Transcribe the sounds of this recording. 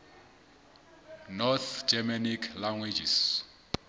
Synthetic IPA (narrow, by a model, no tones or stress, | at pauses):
nɔθd͡ʒɛmanikʰlaŋwid͡ʒis